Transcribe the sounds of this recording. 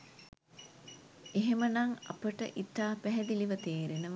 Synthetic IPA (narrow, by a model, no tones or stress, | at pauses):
eɦemənɐŋɐ̰pəʈə̰ʔit̪ːaːpæɦɛd̪iliʋɐt̪eːɾinəʋ